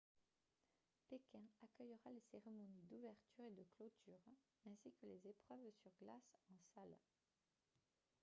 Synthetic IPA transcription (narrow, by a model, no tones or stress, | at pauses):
pekʲɛ̃akʲœjʁaleseʁemɔnid̪uvɛʁt̪yʁed̪əklot̪ʰyʁ | ɛ̃sikəlezepχœvsyʁɡlasɑ̃sal